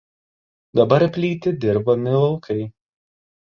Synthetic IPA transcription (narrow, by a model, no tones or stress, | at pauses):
d̪ɐbɐɾpʲlʲiːt̪ʲɪd̪ʲɪɾbɐmʲɪlˠɐlˠkʰɐɪ